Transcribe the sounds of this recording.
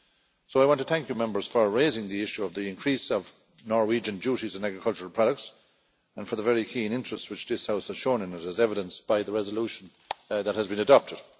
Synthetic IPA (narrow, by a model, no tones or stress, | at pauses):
soʊaɪwɑ̃ntʰəθæ̃ŋkjəmɛ̃mbə˞z̥fə˞ɹeɪzɪ̃ŋðiɪʃuʌvðiɪ̃nkʰɹ̥isʌv | nɔɹwid͡ʒɨ̃nd͡ʒuɾizə̃næɡɹɪkʰʌlˠt͡ʃəɹəl̩ˠpʰɹ̥ɑɾək̚ts | ə̃nfə˞ðəvɛɹikʰĩnɪ̃nt͡ʃɹ̥əstswɨt͡ʃðɪshaʊshəz̥ʃõʊ̃nɪ̃nɪɾəzɛvɪɾə̃nsb̥aɪðəɹɛzəluʃə̃n̩ | ðət̚həzbɨ̃nədɑp̚tʰɨd̥